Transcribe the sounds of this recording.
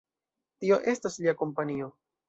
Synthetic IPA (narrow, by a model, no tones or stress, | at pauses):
tio̞ʔe̞stasliako̞mpanio̞